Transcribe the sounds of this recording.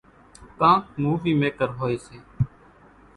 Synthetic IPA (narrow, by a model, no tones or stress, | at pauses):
kãːt̪muːʋiːmeːkəɾɦoːeːseː